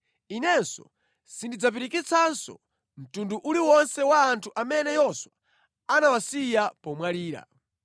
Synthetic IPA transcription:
inɛnsɔ̰ | sindid͡zap̬iɾikit͡sʰansɔ̰ | m̩tunduʔuliwɔnsɛwaːntʰuʔamɛnɛjɔswa | anawasijapɔmwaliːɾa̰

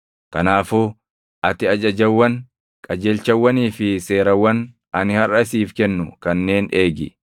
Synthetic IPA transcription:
kɐnaːfuː | ʔɐt̪ɪɐd͡ʒɐd͡ʒɐwːɐn | kʼɐd͡ʒeːlt͡ʃɐwːɐniːfɪse̞ːɾɐwːɐn | ʔɐnɪhɐrʔɐɪsiːfkɛnːʊkɐnːe̞ːneːɡɪ

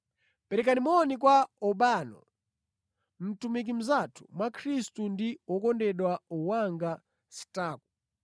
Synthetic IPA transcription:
pɛɾɛkanimɔnikwaɔɓaːnɔ̰ | m̩tumik̬im̩zatʰu̥mwakʰɾistundiwɔkɔndɛɗwauwaŋɡa | si̥taːku̥

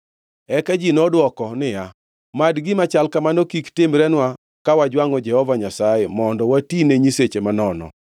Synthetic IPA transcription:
ɛkad͡ʒinɔdwɔkɔnɪja | madɡɪmat͡ʃalkamanɔkiktɪmɾɛnwa | kawad͡ʒwaŋɔd͡ʒɛhɔvaɲasajemɔndɔwatineɲiset͡ʃemanɔnɔ̰

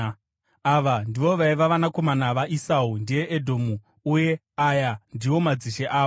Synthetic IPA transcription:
aʋandiʋo̞ʋaiʋaʋanako̞manaʋaʔisaundije̞ʔedʱo̞ːmu | uje̞ | ajandiwo̞mad͡ziʃeʔaː

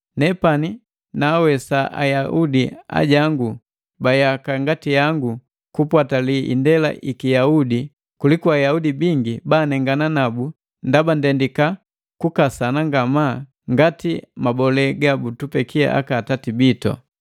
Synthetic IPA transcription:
nɛpani | naːwɛsaʔa̰jaʔudia̰ɟaŋɡu | bajakaŋɡatijaŋɡu | kupwataliʔḭndɛla̰ʔikijaudi | kulikuajaudibiŋɡibaːnɛŋɡananabu | ndabandɛndika | kukasanaŋɡama | ŋɡatimabɔlɛɡabutupɛkʰia̰ʔa̰kaːtatibitɔ̰

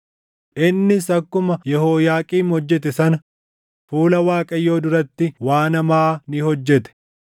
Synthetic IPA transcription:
ʔɪnːɪsɐkːʊmɐjɛhoːjaːkʼiːmhɔd͡ʒːɛt̪ɛsɐnɐ | fuːlɐwaːkʼɐjːo̞ːd̪ʊɾɐt̪ːɪwaːnɐmaːnɪhɔd͡ʒːɛt̪ɛ̥

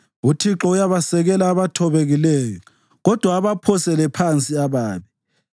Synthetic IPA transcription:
utʰiǁɔujaβasɛɣɛlaːβatʰɔβeɣilɛːjɔ | ɣɔd̥ʱwaːβapʰɔsɛlɛpʰant͡sʼiaβaːβi

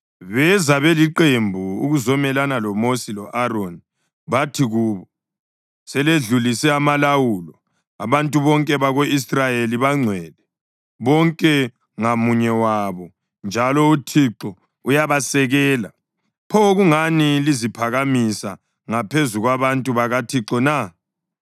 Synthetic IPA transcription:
βɛzaβɛliǃembʱuṵɣuzɔmɛlanalɔmosilɔʔaɾoni | βatʰiɣuːβɔ | sɛleɮulisɛamalawuːlɔ | a̰βantʼuβɔŋkʼɛβaɣoisrajeliβaŋ͡ǀʱwɛːlɛ | βɔŋkʼɛ | ŋamuɲɛwaβɔ | nd͡ʒʱalɔutʰiǁɔ | ujaβasɛɣɛːla̰ | pʰɔɣuŋanilizipʰaɣamisa̰ | ŋapʰezuɣwaβantʼuβaɣatʰiǁɔna

